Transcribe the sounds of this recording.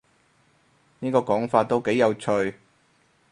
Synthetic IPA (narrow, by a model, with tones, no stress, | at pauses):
niː˥kɔː˧kɔː˨˥ŋfaː˧t̚t̪ːo˥wke˨˥jːɐ˨˧wt͡ʃʰɵ˧ɥ